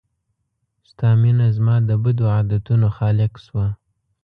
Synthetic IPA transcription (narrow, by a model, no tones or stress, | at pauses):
st̪ɑminazmɑd̪əbad̪oad̪at̪unoxɑlɪkswa